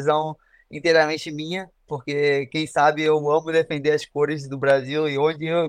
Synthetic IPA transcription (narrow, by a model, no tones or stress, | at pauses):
zɐ̃w̃ | ĩt̪ejɾɐmẽnt͡ʃɪmĩɲɐ | poɾkekẽj̃sabɪewɐ̃mʊd̪efẽnd̪eɾɐskoɾɪzd̪ʊbɾaziwɪõd͡ʒɪew